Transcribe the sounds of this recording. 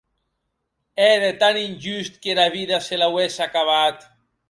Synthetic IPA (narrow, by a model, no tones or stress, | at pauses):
ɛðet̪aninʲd͡ʒyst̪kelaβiðaselawesakaβat̪